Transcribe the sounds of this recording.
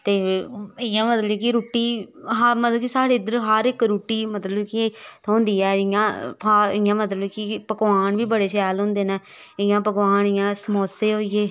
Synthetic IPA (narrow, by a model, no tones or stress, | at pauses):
t̪eːɪjãːmət̪ləbkiɾuːʈiːɦmət̪ləbkisaːɽeːd̪əɾɦəɾɪkɾuːʈːiːmət̪ləbkit̪õːnd̪iːɛːɪjãːpʰaɪɪjãːmət̪ləbkɪpəkʋaːɳʋiːbəɽeːʃɛːlɦʊ̃ːnd̪eːnɛː | ɪjãːpəkʋaːnɪːãːsəmoːseːɦoːieː